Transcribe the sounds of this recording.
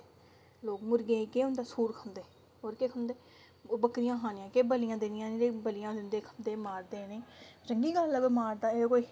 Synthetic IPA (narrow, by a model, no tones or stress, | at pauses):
loːkmʊɾɡẽːkeːʊnd̪aːsuːɾkʰə̃nd̪eː | ɦoːɾkeːkʰə̃nd̪eː | bəkɾɪjãːɦãːnɪjãːkeːbəlɪjãːd̪ɪnɪjãːnĩɾeːbəlɪjãːd̪ɪnd̪eːkʰənd̪eːmaːɾd̪eːnẽːt͡ʃəŋɡiːɡəlːəbmaːɾd̪aːekoi